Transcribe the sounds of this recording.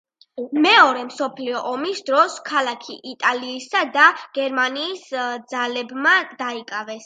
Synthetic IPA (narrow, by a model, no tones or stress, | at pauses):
mɛɔɾɛmsɔpʰliɔʔɔmisd̪ɾɔskʰalˠakʰiʔit̪ʼaliːsad̪aɡ̥ɛɾmaniːsd̪zalɛbmad̪aikʼavɛs